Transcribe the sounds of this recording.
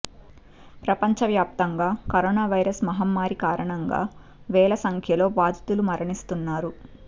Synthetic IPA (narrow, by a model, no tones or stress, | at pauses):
pɾɐpɐɲt͡ʃɐʋjaːp̚t̪ɐŋɡaːkɐɾoːnaːʋɐjɾɐsmɐɦɐmːaːɾikaːɾɐɳɐŋɡa̰ː | ʋɛːlɐsɐŋkʰjɐlo̞ːbaːd̪ʱit̪ulumɐɾɐɳist̪unːaːɾu